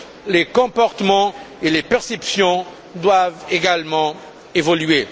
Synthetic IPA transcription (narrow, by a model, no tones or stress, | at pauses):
lekɔ̃pɔʁt̪əmɑ̃elepɛʁsɛpsjɔ̃ | d̪waveɡalmɑ̃ | evɔlɥe